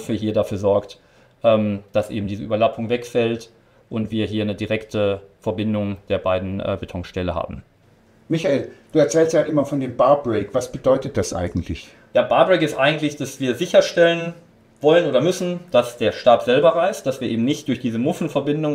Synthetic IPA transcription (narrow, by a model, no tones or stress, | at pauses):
fiːɐɦiːɐdafyːɐzɔɐkt | ʔɛːmd̥asʔḛːbm̩diːzəʔyːbɐlapʰʊŋvɛkfɛlt | ʔʊntv̥iːɐɦiːɐnədiʁɛktʰəfɛɐbɪndʊŋd̥eːɐbaɪdn̩ʔɛ̰ːbetʰɔŋʃtɛləha̰ːbm̩ | mɪçaeːld̥uːɛɐt͡sɛːlstjaːʔɪmɐfɔndeːmbaɐbʁeɪkv̥asb̥ədɔʏtət̚d̥asʔa̰ɪɡŋ̩tʰlɪç | jaːbaɐbʁɛɪkɪstʔaɪɡŋ̩tlɪçd̥asv̥iːɐzɪçɐʃtɛlən | vɔlənʔoːdɐmʏsn̩d̥asd̥eːɐʃtaːpz̥ɛlbɐʁaɪst̚d̥asv̥iːɐʔeːbm̩nɪçt̚d̥ʊɐçd̥iːzəmʊfn̩fɛɐbɪndʊŋ